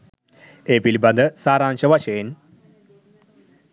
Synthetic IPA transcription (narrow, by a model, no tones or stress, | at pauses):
epilbɐnd̪ɨsaːɾaːnɕɐʋɐɕeːn